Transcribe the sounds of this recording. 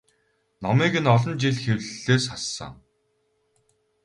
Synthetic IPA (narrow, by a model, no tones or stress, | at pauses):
nɔmiːɡɘ̆nɔɮɞ̆nt͡ɕiɮxewɮɮeːsχasːə̰̆ŋ